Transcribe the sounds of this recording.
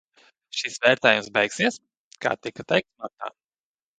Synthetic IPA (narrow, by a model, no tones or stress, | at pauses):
ʃisvɛːɾt̪ɛːjumsbɛjksiɛs | ka̰ːt̪ikɐt̪ɛjk̚t̪snut̪a̰ː